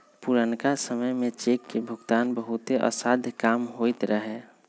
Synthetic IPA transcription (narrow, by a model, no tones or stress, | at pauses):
puɾənkasəməjmẽt͡ʃeːkːebʱʊɡt̪aːnbəɦʊt̪eʔə̰saːd̪ʱkaːmɦoit̪ɾəɦe